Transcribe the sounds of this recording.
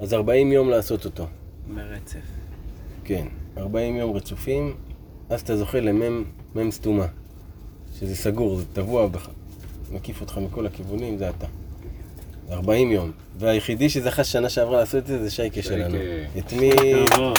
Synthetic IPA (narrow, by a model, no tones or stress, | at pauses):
azaʁbaimjo̞mlaːso̞t̪o̞t̪o̞ | meʁet͡sef | ke̞naʁbaimjo̞mʁet͡sufim | azat̪azo̞χele̞memːemstuma | ʃezesaɡuʁzet̪avuabeamakifot̪χamiko̞lakivunimzeat̪a | zaʁbaimjo̞m | veajeχid̪iʃezeaχaʃanaʃeavʁalaːso̞t̪edzezeʃajkeʃelanuet̪mi